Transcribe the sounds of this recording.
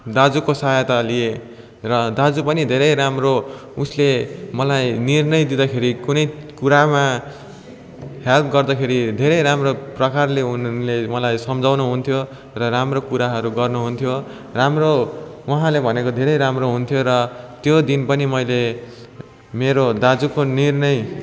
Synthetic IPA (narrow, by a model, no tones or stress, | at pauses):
d̪ad͡zukosʌjʌt̪alie | rʌd̪ad͡zupʌnid̪ʱeɾʌjɾamro | uslemʌlajnirnʌjd̪id̪akʰeɾikunʌjkuɾama | help̚ʰɡʌrd̪ʌkʰeɾid̪ʱeɾʌjɾamroprʌkarleunlemʌlajsʌmd͡zawnuɦunt̪ʰjo | rʌramrokuɾaɦʌɾuɡʌrnuɦunt̪ʰjo | ramrowʌɦãlebʱʌnekod̪ʱeɾʌjɾamroɦunt̪ʰjoɾʌt̪jod̪inpʌnimʌjle | meɾod̪ad͡zukonirnʌj